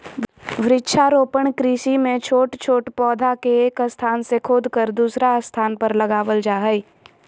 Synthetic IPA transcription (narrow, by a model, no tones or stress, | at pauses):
ʋɾɪtːʃʰaɾoːpəɳ̃kɾiːʃimẽt͡ʃʰoːʈt͡ʃʰoːʈpɔːd̪ʱakeeːkəst̪ʰaːnsekʰʊd̪ʱkəɾd̪uːsɾast̪ʰaːnpəɾlɐɡaːʋəld͡ʒaːɦəi